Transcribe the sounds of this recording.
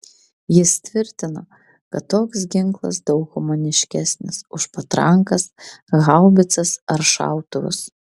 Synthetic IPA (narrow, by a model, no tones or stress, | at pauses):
jɪst̪ʲʋʲɪɾʲt̪ʲɪno | kɐt̪ːoːksɡʲɪŋklˠɐ̰sd̪ɒʊkɣʊmoːnʲɪʃʲkʲæsʲnʲɪsʊʃpɐt̪ɾɐŋkɐsɣɐʊbʲɪt̪sɐsɐɾʃɑ̰ˑʊt̪ʊʋʊ̰s